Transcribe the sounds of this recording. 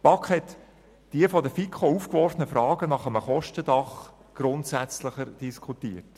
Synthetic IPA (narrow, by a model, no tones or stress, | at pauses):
pɑkχhɛt | d̥iəfɔd̪əfikʰχouːfkʋɔɾfənəfɾɑːɡ̥ənɑχəməχɔʃtəd̥ɑχ | ɡ̥ɾʊnt̪sæt͡sləχəɾd̥iskʰχutiːət